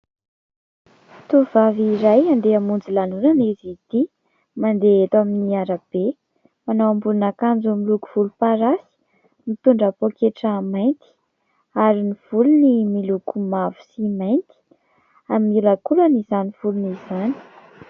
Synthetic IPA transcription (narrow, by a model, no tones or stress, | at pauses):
t̪uv̥aviɾajand̪eamund͡zilanunanizit̪i | mand̪eet̪aminiaɾab̥e | manawambulunakand͡zumiluku̥v̥ulupaɾasi̥ | mit̪uɳɖ͡ʐapokeʈ͡ʂamajnt̪i̥ | aɾiniv̥ulunimilukumavu̥simajnt̪i̥ | aminiɾakulanizaniv̥ulunizani̥